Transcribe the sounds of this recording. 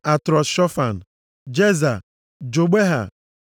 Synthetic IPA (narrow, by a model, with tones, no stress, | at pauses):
a˨tɾɔ˨sʃɔ˦fa˨n̩˨ | d͡ʒe˦za˨ | d͡ʒo˨ɡ͡be˦ɦa̰˨